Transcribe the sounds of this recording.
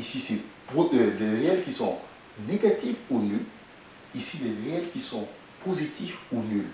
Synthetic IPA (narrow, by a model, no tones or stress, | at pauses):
isisebod̪ød̪eʁeɛlkʲisɔ̃ | neɡat̪ifunyl | isid̪eʁeɛlkʲisɔ̃ | pʰozit̪ʰifunyl